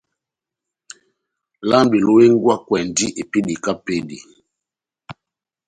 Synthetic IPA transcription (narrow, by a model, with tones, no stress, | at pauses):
la˦mbi˨lo˦we˦ŋ˦ɡwa˦kwɛ˨ndi˦ʔe˨pi˦di˨ka˦pe˦dḭ˨